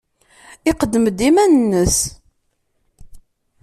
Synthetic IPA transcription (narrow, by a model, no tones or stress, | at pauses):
ɪqəd̪ːəməd̪ːimænənːəs